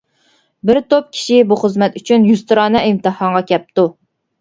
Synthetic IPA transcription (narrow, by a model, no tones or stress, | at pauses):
bɪɾt̪op̚kʲʰi̥ʃibuχəzmɛt̪yt͡ʃʰynjust̪ʰɨɾɑːnɛimt̪ɨhɑŋʁɑkʲʰɛp̚t̪u